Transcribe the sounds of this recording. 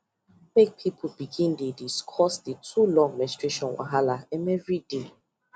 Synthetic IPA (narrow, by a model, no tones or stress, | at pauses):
mek̚pʰipʰubiɡĩndediskʰɔsdetʰulɔ̃ŋmɛstɹeʃɔ̃nwa̰ɦalaɛmɛvɹide